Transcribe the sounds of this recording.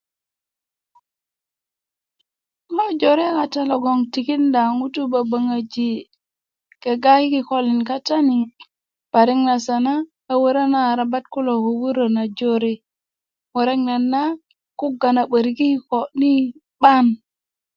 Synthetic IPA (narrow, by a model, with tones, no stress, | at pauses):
mo˦d͡ʒo˨ɾe˦ka˨ta˦lo˨ɡo˨ŋti˨ki˦nda˨ŋu˦tu˦ba˨ba˨ŋa˨d͡ʒi˨ | ke˨ɡa˦ki˦ki˨ko˦li˨nka˦ta˦ni˨ŋ | b̥a˨ɾi˦ŋna˨sa˨na˦ | a˨wə˦ɾa˦na˦˨ɾa˨ba˦t̚ku˦lo˨hu˨wu˦ɾo˨na˨d͡ʒo˦ɾe˦ | wo˨ɾe˦ŋna˨nːa˦ | ku˦ɡa˨na˨ɓə˨ɾɡi˦ko˨ni˦ | ɓa˦n